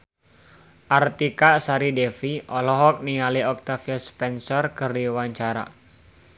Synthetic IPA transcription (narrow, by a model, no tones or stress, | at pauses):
ʔart̪ikaʔsaɾidɛfiʔɔlɔɦɔk̚niŋaliɔk̚t̪afiaspɛnsɔrkərdiwaɲt͡ʃaɾa̰